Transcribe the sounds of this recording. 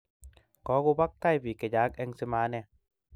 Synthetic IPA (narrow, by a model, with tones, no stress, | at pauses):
kɔ˨˦ɣu˧ba˦k̚t̪a˥˩jbi˨˩ka˨jaː˨˦k̚ʔɛ˧ŋse˧maː˧˦nɛ˧˩